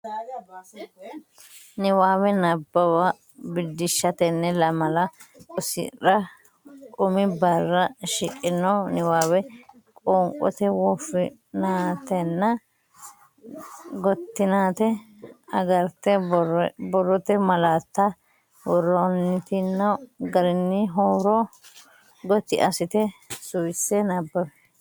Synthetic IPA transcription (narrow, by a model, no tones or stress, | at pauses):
nɪwaːwɛnɐbːɐwa | bɪd̪ːɪʃːɐt̪ɛnːɛlɐmɐlɐɔsɪ̰ᶑɐ | kʼʊmɪbɐrːɐʃɪkʼːɪnːɔnɪwaːwɛ | kʼɔːŋkʼɔ̰t̪ɛwɔfɪ | naːt̪ɛnːɐ | ɡɔt̪ːɪnaːt̪ɛ | ɐɡɐɾt̪ːɛ | bɔrːɔt̪ɛmɐlaːt̪ːɐ | wɔrɔnːɪt̪ɪnːɐɡɐɾɪnːɪɦoːɾɔ | ɡɔt̪ːɪ̰ʔɐsɪt̪ɛsʊjsɛnɐbːɐbɛ